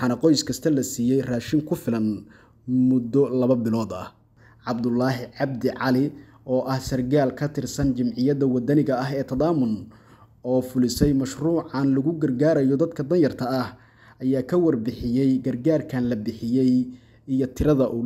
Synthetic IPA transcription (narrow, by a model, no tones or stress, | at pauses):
wɑħɑːnɐqɔjskʰɐst̪ʰɐlɐsiːjɛjraːʃɪŋkʰʊfɪlɐn | mʊd̪ːɔlɐβɐbɪlɔːd̪ɐ | ʕɑbd̪ʊlːɑːɦɪʕɑbd̪ɪʕɑlɪ | ɔːʔɐhsɐrɡaːlkʰɐt̪ʰɪrsɐnt͡ʃɪmʕɪjɐðɐwɐd̪ɐnɪɣɐɐɦɛːt̪ʰɐðaːmʊn | ɔːfʊlɪsɛjmɐʃruːʕɑnlɐɣʊɡɐrɡaːɾɐjɔd̪ɐd̪kʰɐd̪ɐnjɐrt̪ʰɐːh | ʔɐjaːkʰɐwɐrbɪħɪjɛjɡɐrɡaːrkʰɐnlɐbɪħɪjɛj | ijɔt̪ʰɪɾɐðɐʔuː